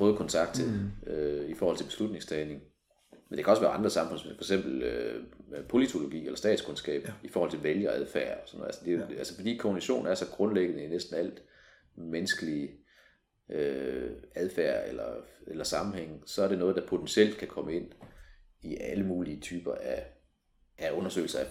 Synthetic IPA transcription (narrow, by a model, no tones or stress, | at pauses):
ɔ̽ːð̞̩ˠkʰɒ̽nt͡sʰɑ̈ɡ̥̚d̥̚t͡sʰe̝løifɒːhɒl̰t͡selb̥e̝slud̥̚ⁿne̝ŋst͡sʰɛːne̝ŋ | mend̥ekæɒsʋæːɐɑ̈nd̥ʁɐsɑ̈mfɔ̽n̰smefɒ̽eɡ̥sem̰b̥l̩ø | pʰo̝lit͡sʰo̝lo̝ɡ̥ḭːelɐsd̥ɛ̰ːd̥skʰonsɡ̥ɛ̰ːb̥i̥fɒːhɒl̰t͡sʰe̝ʋeljɐɒæðˠfæɐɒ̽sɒ̽n̰ːð̰̩ˠæ̰səd̥e̝ælsəfɒ̽d̥ḭːkʰoniɕo̝̰ːn̩æɐsɒ̽ɡ̥ʁɔ̽nleɡ̥ənəinesd̥n̩æl̰d̥ | menəsɡ̥əli | ø | æð̞ˠfæɐ̰elɐelɐsɑ̈mm̩heŋ̰sɒ̽æɐɾ̥e̝nɔ̽ːð̞̩ˠd̥æ̈pʰo̝̥ensiel̰d̥kʰækʰɒ̽məe̝n̰ | iʔæləmuːliət͡sʰyːb̥ɐʔæ | ʔæɔ̽nɐsø̰ːl̩sɐæ